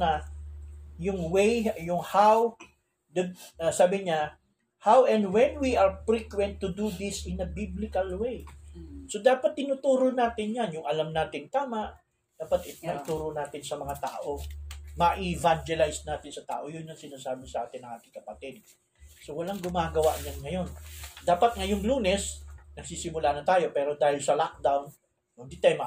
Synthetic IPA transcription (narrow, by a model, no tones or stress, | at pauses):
nɐ | jʊŋwejjʊŋhaw | d̪ɐsaːbɪɲa | hawʔɛ̃nd̪wɛnwiʔɐɹpɹikwɛnt̪ːʊd̪ud̪ɪsɪnɐbiblɪkɐlwejso̞d̪aːpɐt̪ːɪnuːt̪uːɾonaːt̪ɪnjanjʊŋʔɐlamnaːt̪ɪŋt̪aːmaʔ | d̪̥aːpɐt̪ɪt̪nɐʔɪt̪uːɾonaːt̪ɪnsɐmɐŋat̪a̰ːʔo̞mɐʔɪvand͡ʒɛlajsnaːt̪ɪnsɐt̪a̰ːʔo̞jʊnːɐŋsɪnaːsaːbɪsɐʔaːt̪ɪnːɐŋaːt̪ɪŋkɐpɐt̪ɛd̪̚ | sowɐlaŋɡʊmaːɡɐwaʔɲanŋɐjo̞nd̪aːpɐt̪̚ŋɐjʊŋluːnɛsnɐɡ̚sisɪmʊlaːnɐt̪aːjo̞pɛːɾo̞d̪aːhɪlsɐlak̚d̪awnː | od̪it̪ajma